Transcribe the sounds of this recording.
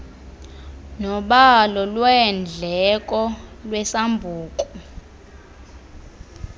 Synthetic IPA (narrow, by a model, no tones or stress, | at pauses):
nɔɓalɔlwɛnd͡ɮʱɛk̬ʼɔlwɛsambʱuːkʼɔ